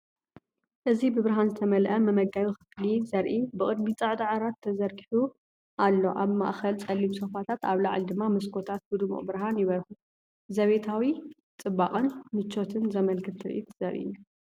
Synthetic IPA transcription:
ʔɨzibɨβɨɾɦanzɨt̪ʰɐmɐlʔɐmɐmɐɡajuxɨklizɐɾʔibɨkʼɨd̪mit͡sʼɐʕd̪aʕaɾat̪ʰːɐzɐɾɡiħu | ʔalːo̞ʔaβma̰ʔxɐlt͡sʼɐlːimsofat̪ʰat̪aβlaʕld̪ɨmːamɐskʰo̞t̪ʰat̪̚bɨd̪ɨmṵʔʼbɨɾɦanjɪβɐlxu | zɐβe̞t̪ʰawi | t͡sʼɨbːaqʼɨnmɨt͡ʃʰːo̞t̪ʰɨnzɐmɐlkʰɨt̪ʰːɨɾʔḭt̪ʰz̥ɐɾʔḭ

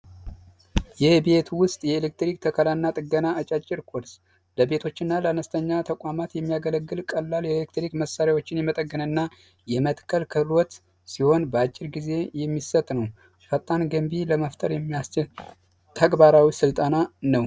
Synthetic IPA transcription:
jɛhbe̞t̪wʊst̪ʼjɛelek̚t̪ɾikt̪ʰəkʰəlanːat̪ʼɨɡːənaːt͡ʃʼat͡ʃʼːɪɾkʰoɾs | ləbe̞t̪ʰo̞t͡ʃːɪnːaləanəst̪ʰəɲːat̪ʰəkʷʼamat̪jɛmːijaɡələɡːɨlkʼəlːaljɛelek̚t̪ɾikməsːaɾjawo̞t͡ʃːɪnjɛmət̪ʼəɡːənɨnːa | jɛmət̪kʰːəlkʰəlwɔt̪ | siho̞nbəat͡ʃʼːɪɾɡize̞jɛmːisət̪ʼnəw | fat̪ʼːanɡəmbiləməft̪ʰʼəɾjɛmːijast͡ʃɪl | t̪ʰəɡbaɾawisɨlt̪ʼananəw

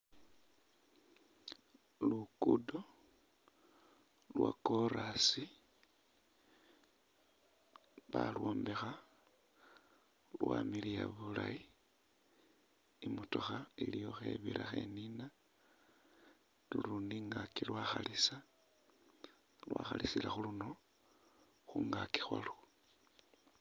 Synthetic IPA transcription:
lukudo | lwa̰koɾasi | βalwoːmbexa | lwamilijaβulai | mutoxailijo̞xe̞̰βiɾʔaxe̞̰nina | luɾundiŋɡakilwaxalisa | lwaːxalisilaxuluno̞ | xuŋɡaki̥xwalu

